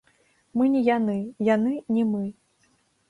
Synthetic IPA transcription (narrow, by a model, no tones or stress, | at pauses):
mɨnʲijanɨjanɨnʲimɨ